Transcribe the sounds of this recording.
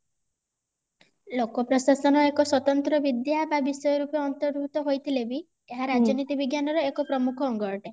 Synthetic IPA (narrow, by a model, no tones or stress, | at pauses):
lokɔpɾɔsasɔnɔekɔswɔt̪ɔnt̪ɾɔbid̪jababisɔjɔɾupeɔnt̪ɔɾbʱut̪ɔɦojt̪ʰilebi | eɦaɾad͡ʒɔnit̪ibiɡjanɔɾɔekɔpɾɔmukʰɔːŋɡɔɾɔʈe